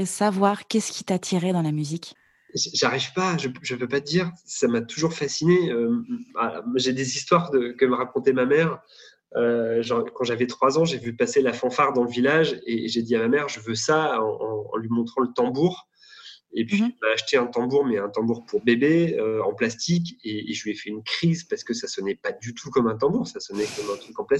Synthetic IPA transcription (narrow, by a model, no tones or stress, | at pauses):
savwaʁkʲɛskʲi̥t̪at̪ʰiʁed̪ɑ̃lamyzik | ʒʒaʁivpaʒəʒəpøpad̪iʁsamat̪uʒuʁfasineøa̰ʒed̪ezist̪waʁd̪əkəməʁakɔ̃t̪ɛmamɛʁ | øʒɑ̃kɑ̃ʒavɛt̪χwazɑ̃ʒevypaselafɑ̃faʁd̪ɑ̃ləvilaʒeʒed̪iamamɛʁʒəvøsaɑ̃ɑ̰̃ːlɥimɔ̃t̪χɑ̃lət̪ɑ̃buʁ | epɥimaːʃt̪eɛ̃t̪ɑ̃buʁmɛɛ̃t̪ɑ̃buʁpuʁbebeøɑ̰̃plast̪ik̬ʲeeʒəlɥɛfɛynkχizpaʁsə̥kəsasɔnɛpad̪yt̪ʰukɔmɛ̃t̪̬ɑ̃buʁsasɔnɛkɔmɛ̃t̪χykɑ̃plas